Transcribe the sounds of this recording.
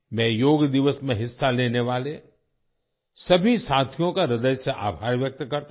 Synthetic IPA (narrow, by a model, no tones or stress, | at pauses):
mɛ̃ːjoːɡd̪ɪʋəsmẽɦɪsːaleːneʋaːle | sɐbʱisãːt̪ʰijõkaɾɪd̪əjseʔa̰ːbʱaːɾʋjɐk̚t̪kɐɾt̪